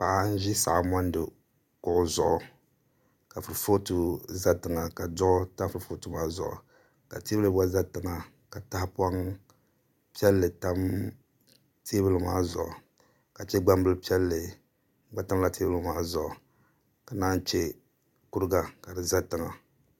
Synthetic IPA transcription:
pa˨ʔa˨n̩˦ʒi˦sa̰˨ʔa˨mɔ˦n˦dɨ˨ | kʊ˦˨ʊ˦zʊ̰˨ʔʊ˨ | ka˨fɨ˨ɾɨ˨fo˦tu˦za˦tɨ˨ŋa˨ka˨dʊ˦ʔʊ˦ta˦m˦fɨ˨ɾɨ˨fo˦tu˦maː˦zʊ̰˨ʔʊ̰˨ | ka˨teː˦bɨ˦lɨ˦ba˦za˦tɨ˨ŋa˨ | ka˨ta˦hpa˦ŋ | pi˦ɛ˦lːɨ˨ta˦m | tʰeː˦bɨ˦lɨ˨ma̰ː˦zʊ̰˨ʔʊ̰˨ | ka˨t͡ʃɛ˦ɡ͡ba˦mbɨ˦lpi˦ɛ˦lːɨ˨ | ɡ͡ba˦ta˦mla˦teː˦bɨ˦ɨ˦maː˦zʊ˨ʔʊ˨ | ka˨na˦nt͡ʃɛ˦ | ku˦ɾɨ˦ɡa˨ka˨dɨ˨za˦tɨ˨ŋa˨

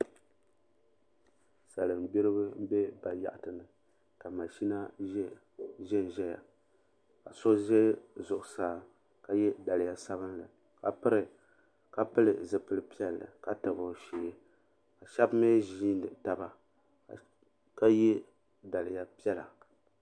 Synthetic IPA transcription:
sa˨lɨ˨m˨bi˦ɾɨ˦bɨ˦m̩˦bɛ˦ba˨ja̰˦ʔa˨tɨ˨nɨ˨ | ka˨ma˨ʃi˦na˦ | ʒɛ˦n˨ʒɛ˦ja̰˨ | ka̰˨so˦ʒɛ˦zʊ˨ʔʊ˨saː˦ | ka˦jɛ˦da˨lɪ˨ja˦sa˦βɨ˦nlɨ˨ | ka˨pɨ˦ɾɨ˨ | ka˦pɨ˦lɨ˨zɨ˨pɨ˦lɨ˦pi˦ɛ˦lːɨ̰˨ka˦tɨ˨bo˨ʃe˨˦ | a˨ʃa˦bmɛ˦ʒiː˦nɨ˨ta˨ba˨ | ka˦jɛ˦ | da˨lɪ˨ja˦pi˦ɛ˦la̰˨

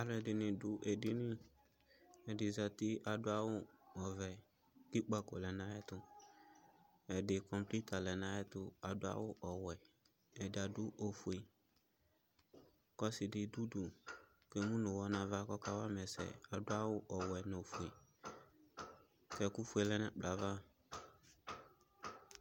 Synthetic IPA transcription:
a˨lʊ˦ɛ˨dɪ˨nɪ̃˨dʊ˨ʔe˨dɪ˦nɪ̃˦ | ɛ˨dɪ˨za˨tɪ˦ʔa˨dʊ˦a˦wʊ˦ɔ˨vɛ˨ | kɪ˦k͡pa˨kɔ˨lɛ˨nã˨˦ɛ˦tʊ˦ | ɛ˨dɪ˨kɔ˨mpli˦ta˨lɛ˨nã˦jɛ˦tʊ˦a˨dʊ˦a̰˦wʊ˦ʔɔ˨wɛ˨ | ɛ˨dɪ˨a˨dʊ˦ʔo˨fu˨e˨ | kɔ˦sɪ˨dɪ˨du˦du˨ | ke˨˦mũ˦nʊ˨wɔ˦nã˨va˦kɔ˦ka˦wa˦mɛ˨sɛ̰˨a˨dʊ˦a˦wʊ˦ʔɔ˨wɛ˨no˨fu˨e˨ | kɛ˨ku˦fu˦e˨lɛ˦nɛ˦k͡pla˨va˦

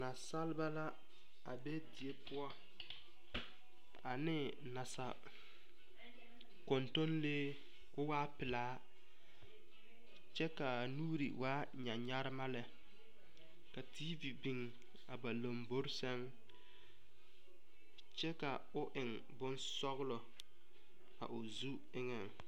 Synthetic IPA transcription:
na˨sa˦lba˦la˦ | a˨be˦di˨e˦pʊ˦ɔ˦ | a˨nɪ˦ | na˨sa̰˨ | kɔ˨nto˦nleː˦ | kʊ˦waː˦pɪ˨laː˨˦ | t͡ʃɛ˦ka˨nuː˦ɾḭ˨waː˦ | ɲa˨ɲa˦ɾɪ˦ma˦lɛ˨ | ka˨tʰiː˦vi˨bi˨ŋ | a˨ba˨lo˨mbo˦ɾsɛ˦ŋ | t͡ʃɛ˦ka˨ | ʊ˦ʔɪ˨ŋ | bʊ˦nsɔ˦ɣlɔ˨ | a̰˨ʔʊ˨zu˦ | ɪ˦ŋɛ˨ŋ

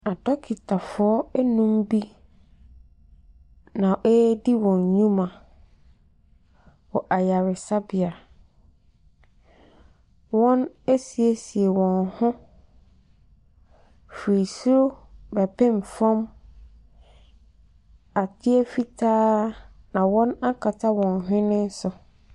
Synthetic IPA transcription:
a˨dɔ˦kʰi˨tʰa˨fʊ˨ɔ˦nũ˦mbi˦ | nã˨ʔɛ˦di˦wɔ̃˨ɲɲũ˦mã˨ | wɔ˨ʔa˨ja˨ɾɪ˨sa˦bɪ˨a˨ | wɔ̃˦ne˦si˨e˨si˨e˨wɔ̃˨nhʊ̃˦ | fi˨su˦ɾo˦bɛ˨pʰɛ̃˦m˨fã˦m | a˨tʰɪ˦ɛ˦fi˦tʰaː˦ | nã˨wɔ̃˦na˦kʰa˨tʰa˦wɔ̃˨nɦᶣɪ̃˦nɪ̃˦n̩˦sʊ˨

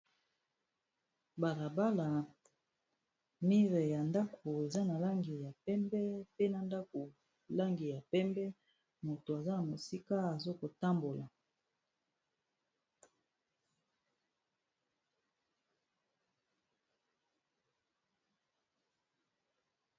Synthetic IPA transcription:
ba˨la˨ba˦la˨ | mi˦ʁɛ˨ja˨nda˦kʰo˨e˨za˦na˨la˦ŋɡi˨ja˨pɛ˦mbɛ˦pe˦na˨nda˦ko˨ | la˦ŋɡi˨ja˨pɛ˦mbɛ˦ | mo˨to˨a˨za˦na˨mo˨si˦ka˦a˨zo˦ko˨ta˦mbo˨la˨

